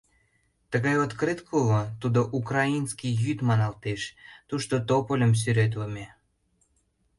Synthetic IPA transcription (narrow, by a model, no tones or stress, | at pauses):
t̪əɣɑjot̪krɨt̪kʰulot̪ud̪oʔukrɑinskijyt̪mɑnɑlt̪eʃt̪uʃt̪ot̪opolʲəms̬yɾet̪̬ləmʲe